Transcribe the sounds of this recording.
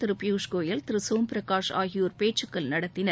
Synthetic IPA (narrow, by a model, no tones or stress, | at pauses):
t̪ɪɾɯpɪjuːʂkoːjɐlt̪ɪɾɯsoːmpɪɾɐkaːʂa̰ːɣɪjoːɾpeːʈt͡ʃːɯkːɐlnɐɽɐt̪ːɪnɐɾ